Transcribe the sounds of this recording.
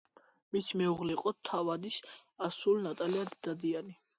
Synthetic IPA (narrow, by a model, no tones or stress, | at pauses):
misimɛuʁliqʼɔt̪ʰavad̪isasulnat̪ʼaliad̪d̪ad̪iani